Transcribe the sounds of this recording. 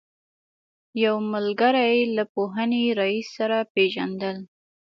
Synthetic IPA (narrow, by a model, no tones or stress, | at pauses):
jawmʊlɡaɾajlapoɦəneɾaisːaɾapeʒa̰nd̪əl